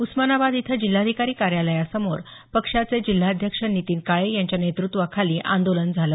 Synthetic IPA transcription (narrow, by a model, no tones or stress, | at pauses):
usmənabad̪it̪ʰəd͡ʑil̤ːad̪ʱikaɾiːkaɾjaləjasəmoɾpəkʂat͡sed͡ʑil̤ːaəd̪ʱjəkʂənːit̪iːnkaɭejaɲt͡ɕjanet̪ɾut̪ʋəkʰaliːʔã̰nd̪olənd͡zʱalə